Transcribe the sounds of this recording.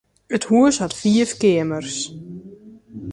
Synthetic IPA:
ət̪huəshat̪fiːfkeːmər̥s

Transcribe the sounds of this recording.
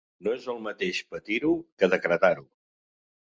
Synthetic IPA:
noezəlˠmət̪eʃpət̪iɾukəðəkɾət̪aɾu

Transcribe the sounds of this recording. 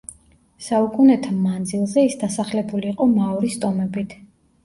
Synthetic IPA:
saukʼunɛt̪ʰamand̪zilˠzɛisd̪asaχlɛbuliːqʼɔmaɔɾist̪ʼɔmɛbit̪ʰ

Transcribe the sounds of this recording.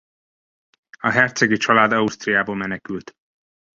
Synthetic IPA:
ɒɦɛrt̪sɛɡit͡ʃɒlaːd̪ɒust̪rijaːboːlmɛnɛkylt̪

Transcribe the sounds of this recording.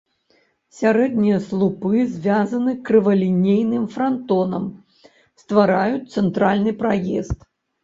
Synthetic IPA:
sʲaɾɛd̪̚nʲijɐslˠupɨzʲvʲazɐnɨkɾɨvɐlʲinʲejnɨmfɾant̪ɔnɐm | st̪vaɾajut̪sɛnt̪ɾalʲnɨpɾajɛst̪

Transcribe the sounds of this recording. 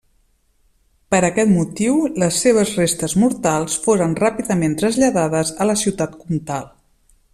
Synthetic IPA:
pəɾəkɛt̪mut̪iwləsːeβ̞əzrest̪əzmuɾt̪alˠsfoɾənrapiðəment̪ɾəzʎəðaðəzələsiwt̪at̪kumt̪alˠ

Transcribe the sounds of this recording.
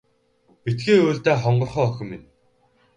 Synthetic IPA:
pit̪ɡeːoːɮt̪eːχɔɴɢɞ̆rχœːɔxʲɪ̆mːɪn

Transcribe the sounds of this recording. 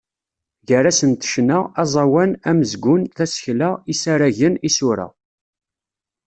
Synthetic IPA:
ʝəɾæsənt̪ə̥ʃnaɑzˤɑwænæməzɡʷʊnθæsçlaisaɾæʝənisʊɾæ̰

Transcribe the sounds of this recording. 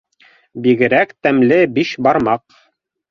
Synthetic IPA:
biɡɘ̆ɾækt̪æmlɘbiʃbɑɾmɑq

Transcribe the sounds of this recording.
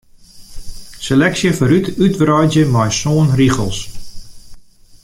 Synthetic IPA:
səlɛksiəfəɾytytbrœjd͡ʒjəmajsoːənriχə̰lˠs

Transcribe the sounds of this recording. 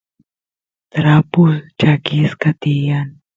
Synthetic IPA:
t̪ɾaːpult͡ʃakiːskat̪ijan

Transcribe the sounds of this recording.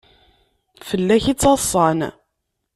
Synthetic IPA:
fəlːæçit͡sːɑsˤːɑn

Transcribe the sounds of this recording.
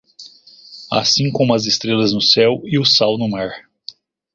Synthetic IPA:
a̰sĩŋkõm̃ɐzest̪ɾelɐznʊsɛwɪʊsawnʊmaɾ

